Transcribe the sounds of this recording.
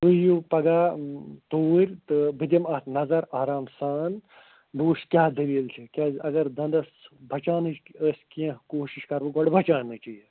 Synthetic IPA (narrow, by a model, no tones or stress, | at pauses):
t̪ujupɐɡaːt̪oːɾʲt̪ɨbɨd̪ɐmɐt̪nɐzɐɾaːɾaːmsaːn | buːʂkʲjaːd̪ɐʋiːlt͡ʃʰikʲaːɐɡɐɾd̪ɐ̃nd̪ɐsbʱɐt͡ʃaːnɨt͡ʃəːsʲkiɐ̃koːʃiʃkɐɾʋɐɡɐɽbʱɐt͡ʃaːnɨt͡ʃiji